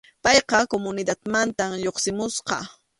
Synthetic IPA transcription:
pɑjqɑkomʊnɪd̪at̪mant̪amʎoχsɪmʊsqɑ

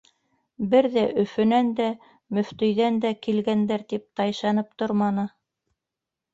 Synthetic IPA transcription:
bɘɾðæʔɵ̆fɵ̆nænd̪æ | mɵ̆ft̪ɵ̆jðænd̪ækilɡænd̪æɾt̪ip̚t̪ɑjʃɑnɤp̚t̪oɾmɑnɤ

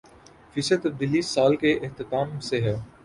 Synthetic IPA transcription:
fɪset̪ɐb̚d̪iːlisaːlkeʔɪht̪ɪt̪aːmseɦɛː

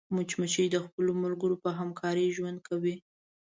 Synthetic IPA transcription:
mʊt͡ʃmət͡ʃijd̪əxpəlomʊlɡəɾopəɦamkʰɑɾəʒwand̪̚kʰawi

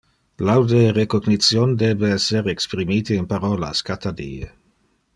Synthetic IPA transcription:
plawd̪erekoɡnit̪t͡sjond̪eːbeɛseɾekspɾimiːt̪iːnpaɾɔla̰skat̪ad̪ḭːe

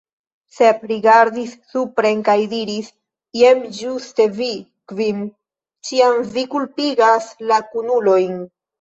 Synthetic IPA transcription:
se̞pɾiɡaɾd̪isːupɾe̞nkajdiɾis | je̞md͡ʒuste̞vi | kvim | t͡ʃiamvikulpiɡaslakunulo̞jn

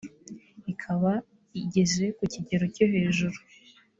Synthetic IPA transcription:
ikʰaβa | iɟe̞ze̞kuciɟe̞ɾo̞coɦe̞ːʒuɾu

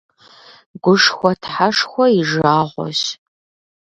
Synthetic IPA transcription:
ɡʷʊʂxʷɔtʰħaʂxʷɔiʒaːʁʷɔ̰ʃ

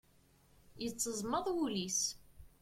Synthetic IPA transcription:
jət͡sːəzˤməðˤwulis

